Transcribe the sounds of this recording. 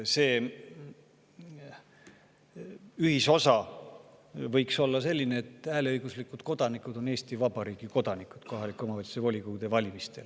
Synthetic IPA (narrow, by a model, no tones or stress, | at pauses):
se̞ː | yhiso̞sɑ | vɤjkso̞lːɑse̞lʲːineet̪ːˑæːleɤjɡ̥uslikːˑud̪̥ko̞d̪̥ɑnikˑud̪̥o̞ne̞ːst̪ivɑbɑɾiːɡ̥iko̞d̪̥ɑnikˑud̪̥kʰo̞ɦɑlikˑuomɑvɑlt̪i̥sevo̞lʲikuɡd̪̥e̞vɑlʲimist̪e̞l